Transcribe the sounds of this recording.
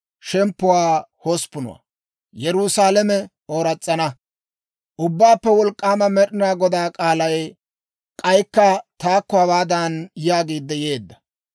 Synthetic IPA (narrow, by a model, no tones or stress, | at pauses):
ʃɛmpːʊwaːhɔspːʊnʊ̰wa̰ | jɛɾʊsaːlɛmɛ | oːɾɐt͡sʼːɐnɐ | ʔʊbːaːpːɛwɔlkʼːaːmɐmɛɗɪnaːɡɔd̪aːkʼaːlɐj | kʼɐjkːɐt̪aːkːɔɐwaːd̪anjaːɡiːd̪ːɛjeːd̪ːɐ̥